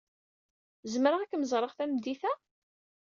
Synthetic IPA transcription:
zmɾaʁækːməzˤɾˤəʁθæmd̪iθæ

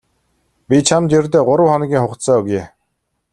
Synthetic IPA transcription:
pʲit͡ɕʰamt͡ɕert̪̬eːɢʊɾə̆wχɔn̆ɡʲiːŋχʊqt̪sɔːɵɣjeː

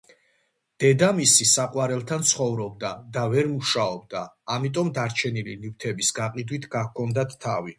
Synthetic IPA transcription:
d̪̥ɛd̪amisisaqʼwaɾɛlˠt̪ʰant̪sʰχɔvɾɔb̚d̪ad̪avɛɾmuʃaɔb̚d̪aː | mit̪ʼɔmd̪aɾt͡ʃʰɛnililiwt̪ʰɛbisɡaqʼid̪wit̪ʰɡakʰɔnd̪at̪ʰːavi

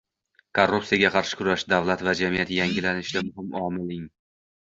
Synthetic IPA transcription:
kʰorːupsijaɡʲaqʰɑɾʃɪ̥kʰʊɾaʃd̪avlˠat̪vad͡ʒamijat̪jaŋɡʲɪlanɪʃd̪amʊɦɪmɒmɪlɪŋ

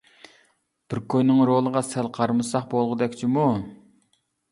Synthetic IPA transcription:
b̥ɪɾkʲʰøjnɪŋɾolˠəʁɑsælqʰɑɾmɨsɑχbolˠʁəd̪ɛkʲt͡ʃʰimu

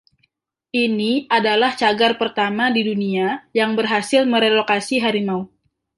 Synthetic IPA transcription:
ʔiniʔadalaht͡ʃaɡarpərt̪amadiduniajaŋbərɦasɪlməɾelokasiɦaɾimaum

